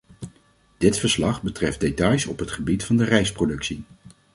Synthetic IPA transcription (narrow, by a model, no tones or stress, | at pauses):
d̥ɪtfəɹslɑχbətrɛfdetɑjsɔpɦətχəbitfɑndərɛjsprodɵksi